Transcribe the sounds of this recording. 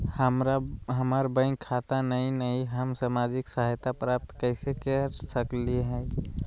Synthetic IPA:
həmɾaɦəmaɾbə̃ɪ̃ŋkʰat̪anəinəiɦəmsamad͡ʒɪksaɦajt̪apɾap̚t̪kəɪsekɛɾsəkliɦɛɪ

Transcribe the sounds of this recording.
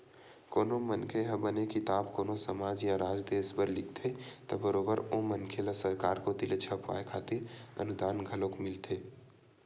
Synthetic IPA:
koːnomənkʰeɦəbənekɪt̪aːbkoːnosəmaːd͡ʒjaɾaːd͡ʒd̪eɪsbəɾlɪk̚t̪ʰet̪ɐbəɾoːbəɾomənkʰelasəɾkaːɾkot̪ɪlet͡ʃʰəpʋa̰ːekʰaːt̪ɪɾə̰nʊd̪aːnɡʱəlõkmɪlt̪ʰeː

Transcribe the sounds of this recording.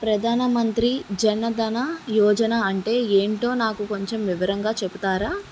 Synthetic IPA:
pɾɐd̪ʱaːnɐmɐnt̪ɾid͡ʒɐnːɐd̪ʱɐnɐjɔːd͡ʒɐnɐɐɳʈe̞ːeːɳʈo̞ːnaːkuko̞ɲt͡ʃe̞mʋiʋɐɾɐŋɡaːt͡ʃeput̪aːɾaː

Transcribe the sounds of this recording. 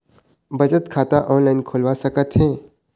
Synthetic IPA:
bɐd͡ʒət̪kʰaːt̪aʔɔːnlaɪnkʰoːlʋasɐkət̪ɦɛː

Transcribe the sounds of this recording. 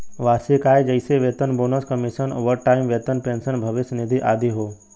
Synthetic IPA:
ʋaːɾsɪkaːed͡ʒɐɪseʋeːt̪ənboːnəskəmɪʃəno̰ːʋəɾʈaːɪmʋeːt̪ənpẽːnsənbʱɐʋɪsnɪd̪ʱiʔaːd̪iɦoː

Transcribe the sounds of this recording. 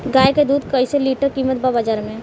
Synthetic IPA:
ɡaːjked̪uːd̪kɐiseliːʈəɾkiːmət̪̚babɐd͡ʒaːɾmẽ

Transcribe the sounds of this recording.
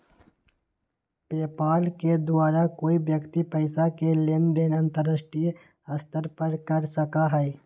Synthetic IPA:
pɾeːpaːlked̪ʊwaːɾakoːibjəkt̪ipɛɪsakelend̪eːnə̃nt̪əɾəsʈi | əst̪əɾpəɾkəɾsəkaɦɛɛ

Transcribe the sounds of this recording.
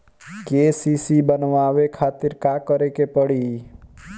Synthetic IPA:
kesisibənʋaːʋekʰaːt̪ɪɾkakəɾekepəɽiː

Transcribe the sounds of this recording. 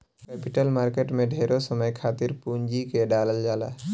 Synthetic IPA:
kɛːpiʈəlmaːɾkeʈmẽɖʱeɾosəməjkʰaːt̪iɾpund͡ʒikeɖaːləld͡ʒala̰

